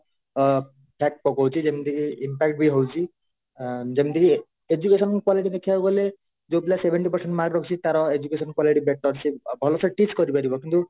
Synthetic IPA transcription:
pʰak̚ʈ̚pɔkɦwt͡sʰid͡ʒemind̪ikiimpak̚ʈ̚biɦowt͡ʃʰi | d͡zemind̪iki | ed͡ʒukesɔnkwaliʈid̪ekʰiabɔle | d͡ʒobilasebʱeɳʈipɔɾseɳʈmaɡɾɔkʰut͡ʃʰit̪aɾɔed͡ʒukesɔnkwaliʈibeʈːɔɾsibʱɔlosɔʈisɡʌɾibaɾibɔkint̪u

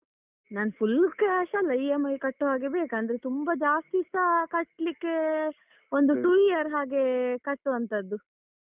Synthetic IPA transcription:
naːnɐpʰulkeʃɐlːɐiemɐjkɐʈːuɦaːɡe̞beːkaːnd̪ɐɾet̪umbɐd͡ʒaːst̪isɐkɐʈlikːe | ond̪uʈuijɐɾɦaːɡe̞kɐʈːuɐnt̪ɐd̪ːu

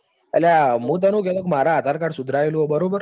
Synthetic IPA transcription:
ə̰ljamũːt̪̬ənũk̬eləkmaɾaːt̪aɾkaɽsud̪ʱɾajluobəɾobəɾ

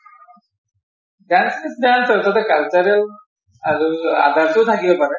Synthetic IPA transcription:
dɛnsisdansɔtɔtɛkalt͡ʃɔɹɛl | aɹua̰dʱaɹtʊtʰakibɔpaɹɛ

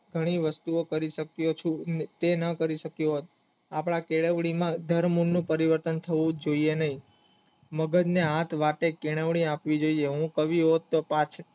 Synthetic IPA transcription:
ɡʱəɽ̃iʋəst̪uokəɾiʃəkjot͡ʃʰut̪enəkəɾiʃəkjoɦot̪̚ | apɽ̃akeɭəʋɽimãd̪ʱəɾmunːũpəɾiʋəɾt̪ənt̪ʰəʋũd͡ʒoienəɦĩ | məɡəd͡ʒneɦat̪ʰʋaʈekeɽ̃əʋɽ̃iapʋid͡ʒoieɦũkəʋiɦot̪ːopãt͡ʃʰ

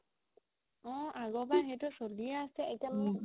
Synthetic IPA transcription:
ɔ̃ʔaɡɔbaɦɛtɔsolijaːsɛɛktamɔ

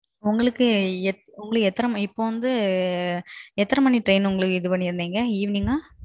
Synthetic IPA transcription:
ʊŋɡɐɭɯkːɯɛ | ʊŋɡɐɭɯkːɛt̪ːɐɾɐmɪpːoːʋɐnd̪ɯ | ɛt̪ːɐɾɐmɐniʈɾɐɪnʊŋɡɐɭɯkːɯɪðɯpɐɳːɪɪɾɯnd̪iːŋɡɐiːʋniŋaː

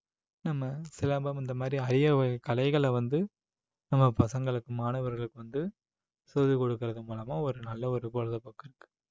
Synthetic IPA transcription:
nɐmːɐsɪlɐːmbɐmɪnd̪ɐmaːd̪ɾiɐɾɪjɐkɐlɐɪɣɐɭɛʋɐnd̪ɯ | nɐmːɐpɐsɐŋɡɐɭɯkːɯmaːnɐʋɐɾɣɐɭɯkːɯʋɐnd̪ɯ | soːðɯkɔɽɯkːɪɾɐðɯmuːlɐmaːɔɾɯnɐlːɐɔɾɯpoɻɐðɐpːoːkːɪɾɯkːɯ̥

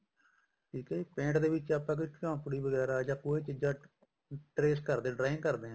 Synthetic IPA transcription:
ʈʰiːkɛːipẽːɳʈd̪eːʋɪt͡ʃaːpːãːk̬ikãːpʊɽiːbəɡɛːɾaːd͡ʒãːkoːeːt͡ʃɪd͡ʒaː | ʈɾeːskəɾd̪ẽːɖɾaːɪ̃ŋkəɾd̪ẽː

